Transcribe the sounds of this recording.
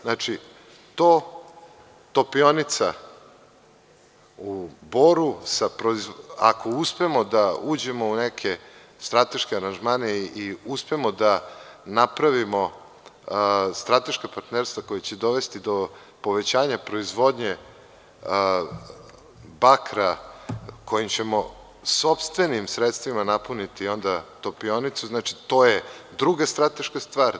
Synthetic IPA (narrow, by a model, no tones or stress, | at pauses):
nat͡ʃi | t̪oː | t̪o̞pio̞nit̪sa̰ | uboɾusapɾoiza̰kʰo̞uspe̞mod̪auːd͡ʑe̞mo̞unekʰe̞ | st̪ɾat̪e̞ʃkeaɾanʒmaːneiuspe̞mod̪anapɾaʋimo̞ | st̪ɾat̪e̞ʃkapaɾt̪neɾst̪vako̞jet͡ɕed̪o̞ʋe̞st̪id̪o̞ | po̞ʋe̞t͡ɕaːɲapɾo̞izʋo̞d̪ɲe | bakɾa | kʰo̞jimt͡ɕe̞mo | so̞pst̪ʋe̞nimsɾet̪st̪ʋimanapunit̪io̞nd̪at̪o̞pio̞nit̪suznat͡ʃi̥t̪o̞ːjed̪ɾuɡast̪ɾat̪e̞ʃkast̪ʋaːɾ